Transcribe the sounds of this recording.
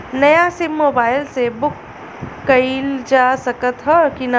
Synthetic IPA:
nɐjasɪmːoːbaːɪlsebʊkː | ɐild͡ʒaːsɐkət̪ɦɛkina

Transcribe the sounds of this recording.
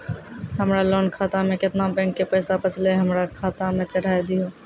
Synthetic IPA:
ɦəmɾaloːnkʰaːt̪amẽkɪt̪nabɛ̃ŋkːepəːsapət͡ʃʰleɦəmɾakʰaːt̪amẽt͡ʃəɽ̤aːjd̪ijo

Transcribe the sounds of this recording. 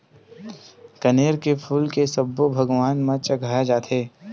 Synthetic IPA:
kɐneːɾkepʰuːlkesɐbːobʱɐɡʋaːnmãt͡ʃɐɡʱaːjad͡ʒaːt̪ʰeː

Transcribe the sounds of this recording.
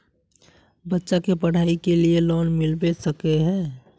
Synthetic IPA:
bətːʃakepəɽ̤aːikelielɔːnmɪlbesəkeɦɛ̃ː

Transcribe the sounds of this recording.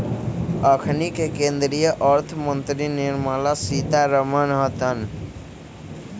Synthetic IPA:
əkʰnikekẽnd̪ɾijəʔəɾt̪ʰəmənt̪ɾiniɾmalasit̪aɾəmənɦət̪ən

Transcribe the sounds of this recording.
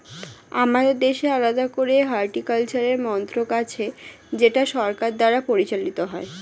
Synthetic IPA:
amad̪eɾd̪eʃealad̪akoɾeɦaɾʈikalt͡ɕaɾeɾmɔnt̪ɾokat͡ɕʰe | d͡ʑeʈaʃɔɾkaɾd̪aɾapoɾit͡ɕalit̪oɦɔe

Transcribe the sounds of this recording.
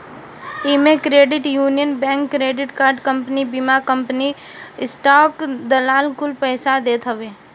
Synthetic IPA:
ɪmẽkɾeːɖɪʈjuːnijənbɛ̃ːŋkːɾeːɖɪʈkaːɾɖkə̃mpnibimakə̃mpniɪsʈaːkd̪ɐlaːlkʊlpɛːɪsad̪eːt̪ɦɐʋeː

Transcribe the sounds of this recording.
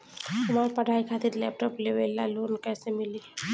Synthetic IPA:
ɦɐmaːɾpəɽʱaːikʰat̪iɾleːp̚ʈɔːpleʋela̰loːnkɛːsemɪli

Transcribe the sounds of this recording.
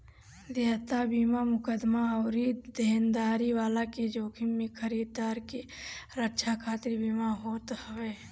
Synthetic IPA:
d̪eːɦt̪abiːmamʊkəd̪maəːɾid̪eːnd̪aːɾiʋaːlaked͡ʒoːkʰimẽkʰəɾiːd̪d̪aːɾkeɾətːʃʰakʰaːt̪ɪɾbiːmaɦoːt̪hɐʋeː

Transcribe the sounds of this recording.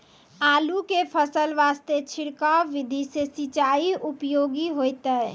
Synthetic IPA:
alukepʰəsəlʋast̪et͡ʃʰiɽkawːid̪ʱisesit͡ʃaiupjoɡiɦojt̪əɪ

